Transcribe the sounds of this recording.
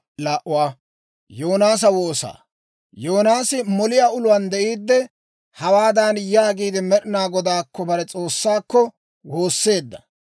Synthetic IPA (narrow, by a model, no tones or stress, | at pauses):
laːʔʊwaː | joːnaːs̬ɐwoːsa̰ː | joːnaːsɪmɔlɪjaːʊlʊwɐnd̪ɛʔiːd̪ːɛ | hɐwaːd̪aːnjaːɡiːd̪ɪmɛɗɪnaːɡɔd̪aːkːɔbɐɾɛt͡sʼoːsːaːkːɔ | wo̞ːsːe̞ːd̪ːɐ̥̰